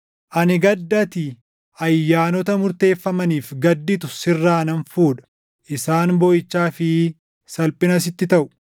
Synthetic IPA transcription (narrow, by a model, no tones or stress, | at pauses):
ʔɐnɪɡɐd̪ːɐt̪ɪ | ɐjːaːnɔt̪ɐmʊɾt̪e̞ːfːɐmɐniːfɡɐd̪ːɪt̪ʊsɪrːaːnɐnfuːᶑɐ̥ | ʔɪsaːnbɔjɪt͡ʃːaːfɪ | sɐlpʼɪnɐs̬ɪt̪ːɪt̪ɐʔʊ̥